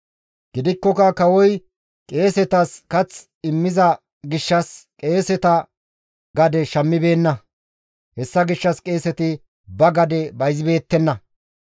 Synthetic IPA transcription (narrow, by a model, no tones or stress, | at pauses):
ɡ̥ɪd̪ɪkːɔkɐkɐwɔj | kʼe̞ːsɛt̪ɐskɐt͡s | ɪmːɪzɐ | ɡɪʃːɐskʼe̞ːsɛt̪ɐ | ɡɐd̪ɛʃɐmːɪbe̞ːnːɐ | hɛsːɐɡɪʃːɐskʼe̞ːsɛt̪ɪ | bɐɡɐd̪ɛbɐjzɪbe̞ːt̪ːɛnːɐ